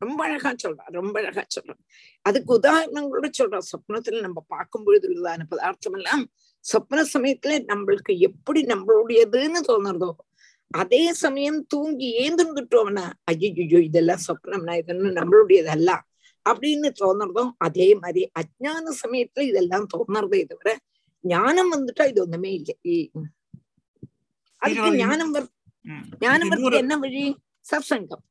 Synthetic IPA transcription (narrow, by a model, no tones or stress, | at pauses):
ɾɔmbɐɐɻɐɣaːt͡ʃɔlra̰ːɾɔmbɐɐɻɐɣa̰ːt͡ʃɔ̰lːã̰ː | ɐðɯkːɯʊðaːɾɐɳɐŋɡɐɭuɽɐt͡ʃɔlrãːsɐpːɐnɐt̪ːɪlɐnɐmːɐpaːɾkɯmboɻɐðɯɾɯðaːnɯpɐðaːɾt̪ɐmɛlːaːm | sɐpːɐnɐsɐmɐjɐt̪ːɪlɐnɐmːɐɭɯkːɯɛpːɐɽinɐmːɐɭɯɽɐjɐðɯɛnːɯt̪oːnɐɾɐðõː | ɐðeːsɐmɐjɐmt̪uːŋɡieːnd̪ɯnkɪʈːoːʋnːaːɐjɐjujoːɪðɛlːãːsɐkːɐnɐmnaːɪðɐnːɨnɐmːɐɭʊɽɐjɐðɐlːãː | ɐpːɐɽijnːɯt̪oːnɐɾɐðõːɐðeːmaːðɾiʔɐt̚ɲaːnɐsɐmɐjɐt̪ːɪlɪðɛlːãːmt̪oːnːɐɾɐðoːɪðɐʋɪɾɐ | ɲaːnɐmʋɐnd̪ɯʈːãːɪðɯʋond̪ɐmeːɪlːɐi | ʔɐðɯkːɯɲaːnɐmʋɐɾ | ɲaːnɐmʋɐɾt̪ːɐkːɛnːɐʋɐɻi | sɐbsɐŋɡɐm